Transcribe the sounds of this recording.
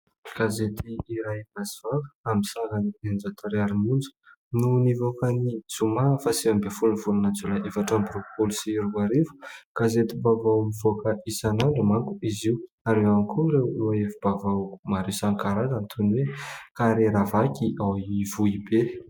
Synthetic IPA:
kazet̪iːɾajmaziv̥avə̥amisaɣaniend͡ʒat̪ʰaɾeaɾimund͡zə̥ | nunivokanid͡zumafasiambefulunvulanat͡sulaʔefaʈ͡ʂambiɾokpolisiɾuaɾevu̥kazet̪ibavawmivokəʔisanaɳɖ͡ʐəmaŋku̥iziw | aɾewanikʰuɾewaefibavaku̥maɾewsaŋkaɾazant̪ʰunwekaɾeɾavakiʔawivuibe

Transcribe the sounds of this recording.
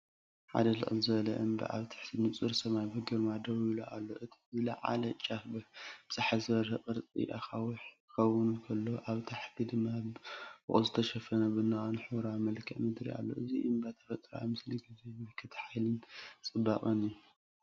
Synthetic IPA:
ħa̰d̪ɐlɨ̰ʔʼɨlzɨβɐlɐ̰ʔɨmbɐ̰ʔa̰βt̪ʰḁħt̪ɨnɨt͡sʼɨɾsɐmajbɨɡɨɾmad̪ɐwiluʔalːo̰ʔɨt̪ʰi̥zɨlɐ̰ʕa̰lɐt͡ʃʼːabɨbɨzaħazɐɾhɐqʼɨɾt͡sʼḭʔaxawħ | xɐwɨnukʰɐlːoʔaβt̪ʰaħt̪ʰid̪ɨmːabɨ̰χʼo̰zɨt̪ʰɐʃɐfɐnɐbɨnːaχɐnħɨwɾamɐlkʰɐʔmɨd̪ɾḭa̰lːo̞̰ʔɨziʔɨmbat̪ʰɐ̥fɐt̪ʼɾɐa̰jmɨsliɡizemɐkʰɐt̪ʰħajlɨnt͡sʼɨbːakʼɐniju

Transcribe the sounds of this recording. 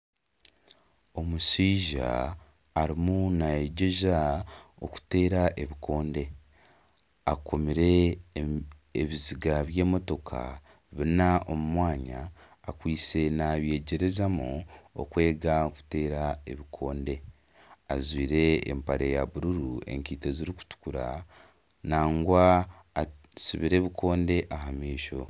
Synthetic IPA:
o̞musiːʒa̰ː | ɾimunajeɟe̞ʒao̞̰ku̥te̞ːɾaʔe̞βikʰo̞ːnde̞ | akʰomiɾe̞ | βiziɡaβje̞ːmo̞to̞kʰa̰ | βinaʔo̞mumwaːɲa̰ː | kwiːt͡se̞naβje̞ːɟe̞ɾezamuo̰kwe̞ːɡaku̥te̞ːɾae̞βikʰo̞ːnde̞ | azwiːɾe̞ːmpaɾejaβuɾuɾue̞̰ŋkiːteziɾiku̥tu̥kuɾa | naːŋɡwaː | sṵβiɾe̞ːβikʰo̞ːnde̞ʔahamiːʃo̞̰

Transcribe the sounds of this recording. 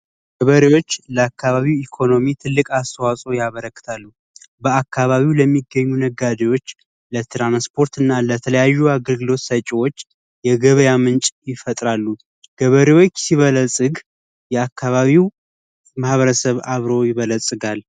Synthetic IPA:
ɡ̥əβəɾewo̞t͡ʃːləakʰːaβaβiwikʰo̞no̞mit̪ʰɨlːɨkʼast̪ʰəwasʼo̞jaβəɾəkːɨ̥t̪ʰalːu | bəakʰːaβaβiwləmːiɡːəɲːunəɡad̪ewo̞t͡ʃː | lət̪ʰɾanspʰo̞ɾt̪ɨnːalət̪ʰələjajːuaɡəlɡɨlo̞t̪sət͡ʃʼiwo̞t͡ʃː | jɛɡəβəjamɨnt͡ʃʼjɪfət̪ʼɾalːu | ɡ̥əβəɾewo̞t͡ʃːsiβələsʼɨɡ | jɛakːaβaβiw | mahβəɾəsəβaβɾo̞jɪβələsʼɨɡal

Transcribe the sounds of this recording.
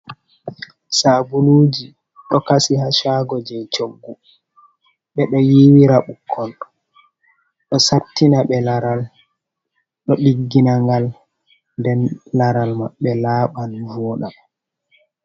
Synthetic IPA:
sabuluːd͡ʒi | ɗɔkasihaʃaːɡɔd͡ʒɛt͡ʃoɡːu | ɓɛɗɔjiwiɾaɓukʰːɔl | ɗɔsatːinaɓɛlaɾal | ɗɔɗiɡːinaŋɡal | ndɛnlaɾalmaɓːɛlaːɓanvɔːɗa

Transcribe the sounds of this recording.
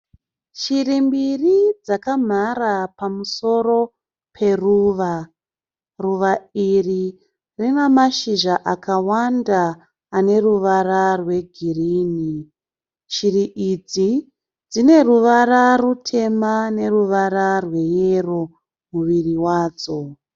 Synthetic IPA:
ʃirimbirid͡zakam̤aɾapamuso̞ɾo̞ | pʰe̞ruːʋa | ruʋairi | rinamaʃiʒaʔakawandaː | ne̞ruʋararwe̞ɡʱiriːni | ʃiriʔid͡zi | d͡zine̞ruʋararutʰe̞mane̞ruʋararwe̞jero̞ | muʋiriwaːd͡zo̞

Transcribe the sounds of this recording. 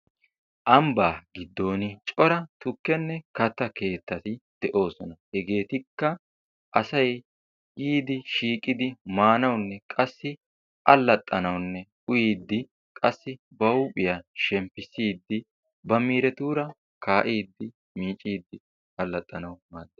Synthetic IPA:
ʔɐmbaːɡɪd̪ːo̞ːnɪt͡ʃʼɔɾɐt̪ʊkːɛnːɛkɐt̪ːɐke̞ːt̪ːɐt̪ɪd̪̥ɛʔo̞ːsɔnɐhɛɡe̞ːt̪ɪkːɐ | ʔɐsɐj | jiːd̪ɪʃiːkʼɪd̪ɪmaːnɐwnːɛkʼɐsːɪ | ʔɐlːɐt̪ʼːɐnɐwnːɛ | ʊjiːd̪ːɪ | kʼɐsːɪ | bɐʊpʼɪjɐʃɛmpːɪsiːd̪ːɪ | bɐmiːɾɛt̪uːɾɐ | kaːʔiːd̪ːɪ | miːt͡ʃʼːiːd̪ːɪ | ɐlːɐt̪ʼːɐnɐwmaːd̪ːe

